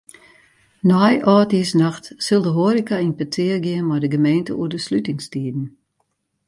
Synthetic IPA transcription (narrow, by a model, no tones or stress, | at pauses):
nɔjʔɔːtiəsnaxtsɪlˠdəɦoəɾikainpətʰɪːərɡjɪənmɔjdəɡəmeːntəuədəslytɪŋstiːdn̩